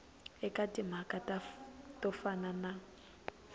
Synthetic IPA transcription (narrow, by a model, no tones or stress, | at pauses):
ɛkʼatʼim̤akʼatatʼɔfanana